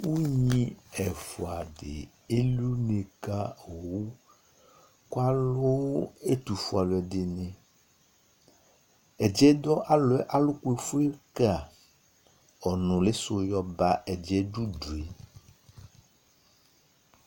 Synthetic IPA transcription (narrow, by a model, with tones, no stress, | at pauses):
wo˦ɲĩ˦ɛ˨fo˨a˨ɖḛ˨ | e˦li˦o˦nẽ˨ka˦o˨wu˦ | kwa˦lo˦e˦t̪u˨fu˨a˨lɛ˨de˨nẽ˨ | ɛ˨d͡ʒɛ˦d̪ɔ˦ʔa˦lɔ˨˦ɛ˦ʔa˦lo˦ku˦e˨fu˦e˦ka˦˨ | ɔ˨nũ˨le˦so˦jɔ˦ba˦ʔɛ˨d͡ʒɛ˦ɖu˦du˨e˨